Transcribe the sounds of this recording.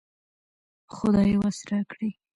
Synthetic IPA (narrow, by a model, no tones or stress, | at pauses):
xʊd̪ɑjwasɾakɽi